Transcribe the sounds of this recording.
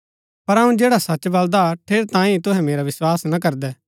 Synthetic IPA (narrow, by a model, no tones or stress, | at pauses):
pɐɾɦɐũd͡ʒeːɽasɐt͡ʃbɐld̪aʈʰeːɾt̪ãːĩt̪ʊɦɛ̃meːɾaʋɪswaːsnak̬ɐɾd̪ɛː